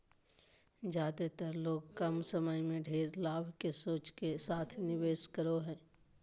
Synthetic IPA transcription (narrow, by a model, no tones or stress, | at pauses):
d͡ʒaːd̪et̪əɾloːɡkɐmsəməjmẽɖʱeːɾlaːbʱkesoːt͡ʃkesaːt̪ʰnɪʋeːʃkəɾoɦɛː